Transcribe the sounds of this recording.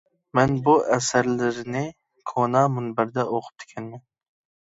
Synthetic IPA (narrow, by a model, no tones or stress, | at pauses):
mɛnbʊʔæsæɾlɪɾnɪ | kʰonɑmʊnbɪɾd̪ɛʔoqʰʊ̥p̚d̪ʰɪ̥kʲʰɛnmɪn